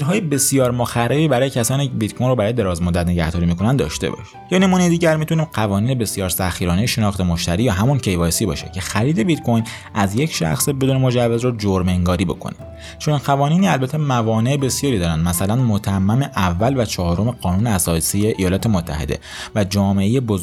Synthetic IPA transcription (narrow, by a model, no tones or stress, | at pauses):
ɾɦɒːjebe̞sijɒːɾmoxærːebiːbæɾɒːje̞cʰæsɒːnibit̪̚kʰojnrobæɾɒːjd̪e̞ɾɒːzmod̪ːæt̪ne̞ɟæhd̪ɒːɾiːmiːkʰo̞nænd̪ɒ̰ːʃt̪ḛbɒ̰ʃ | jɒːne̞muːnejd̪iːɟæɾmit̪ʰuniːmɢævɒːniːnebe̞sjɒːɾsæxiːɾɒːnejeʃe̞nɒːxt̪e̞moʃt̪æɾiːjɒːɦæmuncʰe̞jvɒːsiːbɒ̰ːʃecʰe̞xæɾiːd̪e̞bit̪kʰojn | ʔæzjecʰʃæ̰xsebe̞d̪uːne̞mo̞d͡ʒævːezrod͡ʒoɾmeŋɡɒːɾiːbo̞̰kʰo̰nim | t͡ʃʰoninqævɒːniːniːælbæt̪ʰːemævɒːne̞ʔebe̞sjɒːɾiːd̪ɒːɾænd̪mæsælænmot̪ʰæmːæmeʔævːælvæt͡ʃʰɒːhɾo̞me̞ɢɒːnuːneæsɒːsiːjeʔijɒːlɒːt̪ʰe̞mot̪ʰːæ̰hḛd̪ḛ | væd͡ʒɒːme̞ʔejeboz